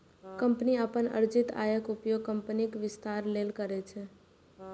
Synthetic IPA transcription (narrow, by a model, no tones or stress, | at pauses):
kəmpniəpənə̰ɾd͡ʒɪt̪a̰ːjəkʊpjoɡ̚kəmpənikʋɪst̪aːɾlelkəɾɛt͡ʃʰɛ